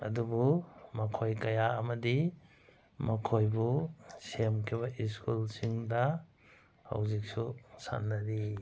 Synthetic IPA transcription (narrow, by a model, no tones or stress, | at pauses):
ɐ̰dubumɐkʰojkɐjaɐmɐdi | mɐkʰojbusemkʰiβɐʔiskulsiŋdɐ | ha̰wzik̚susa̰nːɐɾi